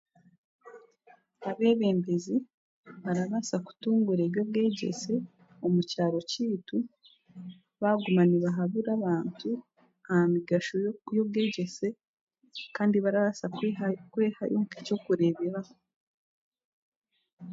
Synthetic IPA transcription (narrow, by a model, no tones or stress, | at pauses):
aβe̞ːβe̞ːmbezi | βaɾaβasaku̥tuːŋɡuɾe̞βjo̞β̚ɡe̞ːɟe̞̰se̞ | o̞mucaːɾo̞ciːtu | βaɡumaniβaɦaβuɾaβaːntʰu | ahamiɡaʃojo̞β̚ɡeːɟe̞se̞ | kaːndiβaɾaβasakweːha̰jʔokico̞kuɾe̞βeβah